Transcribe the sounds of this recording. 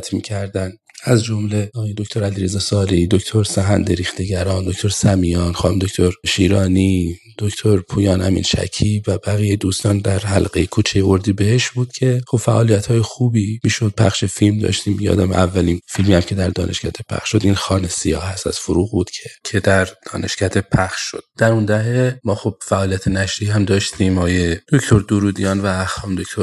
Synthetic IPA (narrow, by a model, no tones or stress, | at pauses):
t̪ʰmḭːcʰæɾd̪æn | æzd͡ʒo̞mle̞ɒːjed̪okʰʲt̪oɾæliɾezɒːsɒːɾed̪okʰt̪ʰoɾsæɦænd̪eɾixt̪e̞ɟæɾɒːnd̪okt̪oɾsæmijɒːnχɒːnomd̪okʰʲt̪ʰoɾʃiːɾɒːni | d̪̥oct̪ʰoɾpʰuːjɒːnhæmḭnʃæ̰cʰivæbæɣijejed̪uːst̪ɒːnd̪æɾhælɢejekʰuːt͡ʃʰejeoɾd̪iːbeheʃbuːd̪̥cʲʰe̞xobfæʔɒːlijæt̪hɒːjexuːbiːmiːʃod̪̥̚pʰæ̰χʃe̞filmd̪ɒ̰ʃt̪iːmːiɟeɒ̰ːd̪æmeʔævːæliːnfilmiːæmcʲʰe̞d̪æɾd̪ɒ̰ːnʔeʃkæd̪ʰepʰæ̰xʃʃo̞d̪inxɒːnesijɒ̰ːhhæst̪æ̰z̥foɾuːɣbuːd̪̥cʰe̞cʰe̞d̪æɾd̪̥ɒ̰ːnʔe̞ʃcæd̪epʰæxʃʃo̞d̪̥d̪̥æɾund̪æɦemɒːxob̥̚fæʔɒːlijæt̪ʰenæʃɾiihæmd̪ɒːʃt̪imɒːjed̪̥okt̪ʰoɾd̪oɾuːd̪ijɒːnvæːxɒːmd̪okt̪oɾ